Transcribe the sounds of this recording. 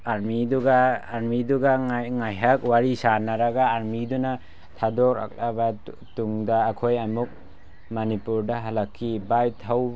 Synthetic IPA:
aɾmiduɡaːɾmiduɡaŋajɦak̚waɾisanaɾaɡaːɾmiduna | tʰadɔɾa̰k̚laba | tuŋdaːkʰojamuk̚ | manipuɾdaɦalakʰːibajtʰaw

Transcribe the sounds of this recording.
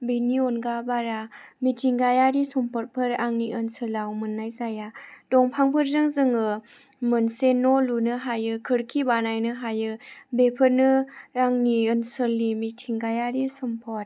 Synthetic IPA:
binionɡabaɾamitʰiŋɡajaɾisɔmpʰɔɾ̚pʰɯɾaŋniʔɯnsɯlawmɯnːajzajad̥ɔŋpʰaŋpʰɯɾzɯŋzɯŋɯ | mɯnsenːɔlunɯɦajɯkʰɯɾkʰibanajnɯɦajɯbepʰɯɾnɯaŋniɯnsəlːimitʰiŋɡajaɾisumpʰɔt̚

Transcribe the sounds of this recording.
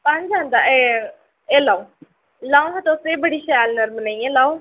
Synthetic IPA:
pə̃ɲd͡ʒãːnd̪aːe | eːlaːoː | laːõɦãt̪oːseːbəɽiːʃaːlnəɾmənaːĩːɛ̃ːlaːõ

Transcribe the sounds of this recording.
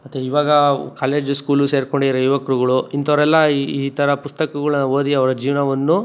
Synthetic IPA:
mɐt̪ːeiːʋaːɡɐkaːle̞ːd͡ʒskuːluse̞ːɾkoɳɖiɐɾɐjuʋɐkɾuɡɐɭuint̪ʰɐʋɐɾɛlːɐiːt̪ʰɐɾɐpust̪ɐkɐɡɐɭɐnːɐoːd̪iɐʋɐɾɐd͡ʒiːʋɐnɐʋɐnːu

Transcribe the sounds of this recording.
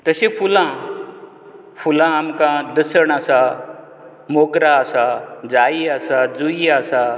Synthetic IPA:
t̪əsẽfulã | fulãːmkãd̪əsəɳasa | mokɾaːsad͡zaiasad͡zuiasa

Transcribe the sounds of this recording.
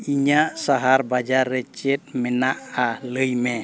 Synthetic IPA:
iɲaʔsaɦaɾbad͡ʒarːɛt͡ʃɛt̪̚mɛnaʔaləjmɛ

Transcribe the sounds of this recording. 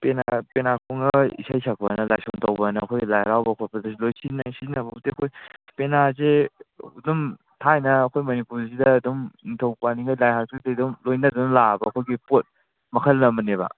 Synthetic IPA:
penapenakʰoŋɐḭsajsʰak̚pɐnɐla̰jsoŋtɐwbɐnɐkʰojlajɾawbɐkʰopʰɐdɐsilojsinɐsinɐbɐuteɐkʰojpenazeudum | tʰajnɐːkʰojmɐnipuɾzidɐːdumnitʰɐwpaniŋɡajlajɦasitɐdumlojnɐdunlabɐːkʰojɡipot̚ | mɐkʰɐlːɐmɐnebɐ̰

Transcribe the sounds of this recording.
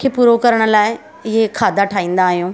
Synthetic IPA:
kʰeːpuːɾokɐɾəɽ̃̆laːɪ | ɪɦekʰaːd̪aʈʰaːĩːn̆d̪aːɦijũː

